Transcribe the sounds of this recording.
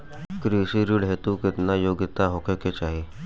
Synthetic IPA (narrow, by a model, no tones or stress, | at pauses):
kɾisiɾiɽɦet̪ukɪt̪najoːɡɪt̪aɦokəket͡ʃaːɦe